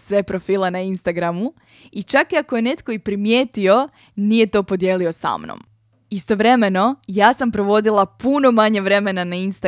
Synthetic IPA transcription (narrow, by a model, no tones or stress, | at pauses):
sʋe̞pɾo̞fiːlenainst̪aɡɾamu | it͡ʃakiakoje̞ne̞t̪ko̞ipɾimje̞ːt̪io̞ | nije̞t̪o̞po̞d̪jelio̞sa̰mno̰m | ist̪o̞ʋɾe̞me̞no̞jaːsampɾo̞ʋo̞d̪ilˠapuno̞maɲeʋɾe̞me̞nanainst̪a